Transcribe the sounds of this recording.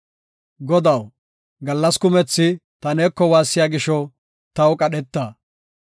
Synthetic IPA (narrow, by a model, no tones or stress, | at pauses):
ɡɔd̪ɐw | ɡɐlːɐskʊmɛt͡sːɪt̪ɐneːkːɔwaːsːɪjaːɡɪʃɔ | t̪ɐwkʼɐɗɛt̪ːaː